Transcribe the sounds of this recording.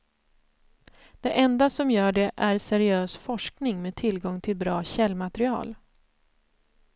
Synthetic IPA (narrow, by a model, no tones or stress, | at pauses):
d̪̥ɛʔɛnd̪asɔmjœːɖɛʔæɾsɛɾɪøːsfɔʂknɪŋmeːt̪ʰɪlɡɔŋt̪ʰɪlbɾɑːɕɛlːmat̪ɛɾɪɑ̰ːl